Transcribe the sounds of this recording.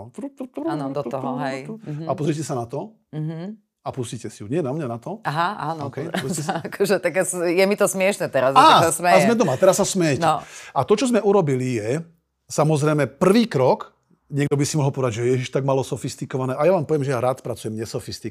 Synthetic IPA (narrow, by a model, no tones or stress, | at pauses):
t̪ɾt̪ɔt̪ɾnɔd̪ɔɔɦɔɦɛapɔzɾicɛsanat̪ɔ | ɦ | apuscicɛsiuɲɛnamɲanat̪ɔaɦaaːnɔɔkɛjpusakʰɔʒɛt̪aɡsjɛmit̪ɔsmɪɛʃnɛt̪ɛɾazaːasmɛazmɛd̪ɔmat̪ɛɾasːasmɛjɛnɛʔat̪ɔt͡ʃɔzmɛʔuɾɔbilijɛ | samɔzɾɛjmɛpr̩ʋiːkɾɔk | ɲɛɡd̪ɔbisimɔɦɔlˠpɔʋɛd̪aɟʒɛɛjɛʒiʃt̪aɡ̚malɔsɔfist̪ikɔʋanɛːʔajaʋaːmpɔʋjɛmʒɛjaɾaːt̪pɾat͡sujɛmɲɛsɔfist̪i